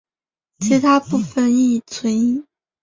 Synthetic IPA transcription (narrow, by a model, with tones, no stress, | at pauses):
t͡ɕʰi˧˥t̪ʰa˥pu˥˩fə˨˩ni˥˩t͡sʰwə˧˥ni˥